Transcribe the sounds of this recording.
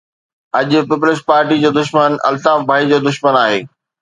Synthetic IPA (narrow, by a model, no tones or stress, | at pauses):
ɐʄʊpɪp̬ʊlɪs̬ʈ̚paːɾʈid͡ʑoːd̪ʊʃmənɐ̰lt̪aːfbʱaːid͡ʑoːd̪ʊʃmənaːɦeː